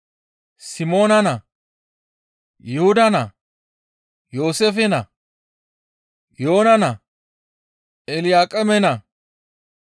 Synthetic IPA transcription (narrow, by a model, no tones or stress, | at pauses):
sɪmo̞ːnɐnɐ | jɛhʊd̪ɐnɐ | jo̞ːsefɛnɐ | jo̞ːnɐnɐ | ɛlɪjaːkʼɛmɛnɐ